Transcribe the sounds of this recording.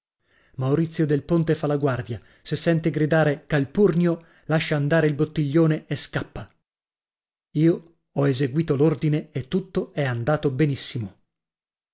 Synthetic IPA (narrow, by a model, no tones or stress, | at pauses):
mauɾit̪sːjod̪elpont̪efalaɡward̪ja | sesːɛnt̪eɡɾid̪aːɾekalpurnjo | laʃːaːnd̪aːɾeilbot̪ːiʎːoːneeskapːa | iːo | ɔezeɡwiːt̪olord̪ineet̪ːut̪ːoɛand̪aːt̪obenisːimo